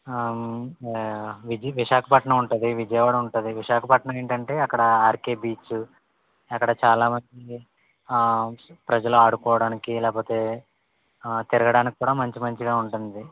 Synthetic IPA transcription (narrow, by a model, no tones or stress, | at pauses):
ʋid͡ʒʋiʂaːkʰɐpɐʈɳɐmuɳʈund̪iʋid͡ʒɐjʋaːɽɐuɳʈunːd̪iʋiʃaːkʰɐpɐʈɳɐme̞ːɳʈɐɳʈe̞ːɐkːɐɽɐaːɾkeːbiːt͡ʃ | ɐkːɐɽɐt͡ʃaːlaːmɐnd͡ʒi | pɾɐd͡ʒɐloaːɽukɔːʋɐɽaːnikilɛːpoːt̪eː | t̪iɾɐɡɐɽaːniki̥kuːɽaːmɐɲt͡ʃimɐɲt͡ʃiɡaːuɳʈund̪i